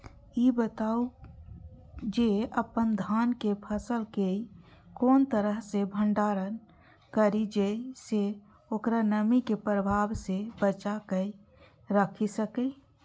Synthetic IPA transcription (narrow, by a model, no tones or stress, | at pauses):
ibət̪au | d͡ʒeəpənd̪ʱaːnkepʰəsəlkei | koːnt̪əɾəɦsebʱə̃ɳɖaːɾən | kəɾid͡ʒese | oːkɾanəmikepɾəbʱaːbsebət͡ʃakə | ɾəkʰisəke